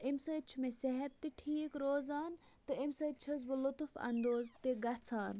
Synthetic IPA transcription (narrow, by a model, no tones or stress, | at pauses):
emsəːt͡ʃʰumeseɦɐt̪ːiʈʰiːkɾoːzaːn | t̪ɨimsɐːt͡ʃʰɐz̬bɨlut̪ufɐ̰nd̪oːzt̪iɡɐt͡sʰaːn